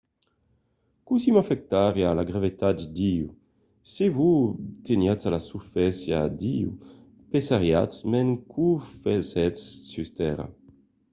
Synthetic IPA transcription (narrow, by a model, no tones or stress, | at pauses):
kusimafɛk̚t̪aʁjalaɡɾavet̪ad̪d̪iu | sevut̪enjat͡salasufɛsjad̪iṵ | pesaʁjat͡smɛŋkʰufɛzɛt͡sːyst̪ɛʁa̰